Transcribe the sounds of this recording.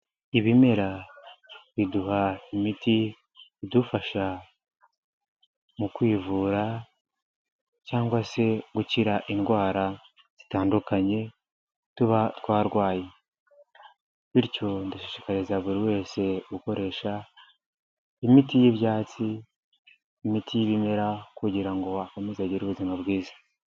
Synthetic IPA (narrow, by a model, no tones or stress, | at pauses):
iβime̞ɾa | βiduhaimiti | βidufaʃa | mukwiːvuːɾa | caːŋɡwase̞ɡuciɾaʔinɡwaːɾa | z̥itaːndukaɲe̞ | tuβatwaːɾɡwaːje | βiɾco̞ndaʃeʃi̥kaɾezaβuɾiwe̞ːse̞ɡuko̞ɾe̞ʃa | imitijiβjaːt͡si | mitijiβime̞ɾakuɟiɾaŋɡo̞akomezaɟiɾuβuzimabɡiːzḁ